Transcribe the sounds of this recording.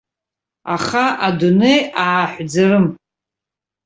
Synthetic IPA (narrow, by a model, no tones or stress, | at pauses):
aχaadunejaːħʷd͡zarɨm